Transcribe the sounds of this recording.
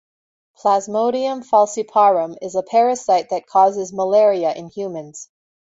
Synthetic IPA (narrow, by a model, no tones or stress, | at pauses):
pʰl̥æzmoʊɾiɨ̃ɱfɑlˠsipʰɑɹɨ̃mɪzəpʰɛɹɨsaɪt̪̚ðɨt̚kʰɔzɨzməlɛɹiɨʔɨ̃nhjʉmɨ̃nz̥